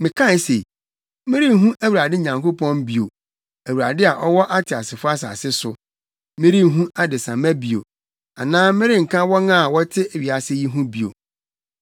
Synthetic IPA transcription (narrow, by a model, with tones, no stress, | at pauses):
mɪ̃˨kʰã˦˨˦se˨ | mɪ̃˦ɾi˦ɦũ˦ʔæ˦wu˨ɾa˨dɪ˦ɲã˨ŋko˦pɔ̃˦mbi˨o˨ | æ˨wu˨ɾa˨dɪ˦a˨ʔɔ˦wɔ˦ʔa˦tʰɪ˨a˨sɪ˨fʊ˦a˦s̬a̰˨sɪ˦sʊ˨ | mɪ̃˦ɾi˦ɦũ˦a˦dɪ˨sã˨mæ˦bi˨o̰˨ | a˨nãː˦mɪ̃˦ɾɪ˦ŋ̩˨kʰã˦wɔ˦nã˦a˨wɔ˦tʰɪ˦˨ɥi˨a˨sɪ˦ji˦ɦũ˦bi˨o̰˨